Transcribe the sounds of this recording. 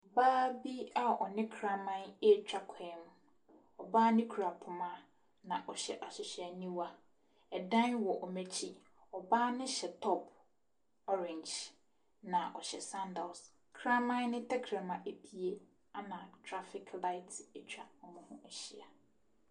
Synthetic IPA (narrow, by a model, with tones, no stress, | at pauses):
baː˦bi˦a˨ɔ̰˨nɪ̃˦kʰɾa˦mã˦ne˦t͡ɕᶣa˨kʰɛ˦m˨ | ɔ˨baː˦nɪ̃˦kʰu˨ɾa˨pʰʊ˨mã˦ | nã˨ʔɔ˨ɕɛ̰˨ʔa˨sɪ˨ɕæ˨nĩ˦wa˦ | ɛ˨dã˦nwɔ˨ʔɔ˨me˦t͡ɕʰi˦ | ɔ˨baː˦nɪ̃˦ɕɛ˨tʰɔ˦pʰ | ɔ˦ɾɛ̃˨ɲd͡ʒ | nã˨ʔɔ̰˨ɕɛ˨sã˦nda˨s | kʰɾã˦mã˦nnɪ̃˦tʰɛ˦kʰɾã˨mã˨ʔe˨pʰi˨e˦ | a˦nã˨tʰɾa˦fɪ˨kʰla˦ɪ˦te˦t͡ɕʰᶣa˨ɔ˨mʊ̃˨hʊ̃˦ʔæ˨ɕi˦˨a˨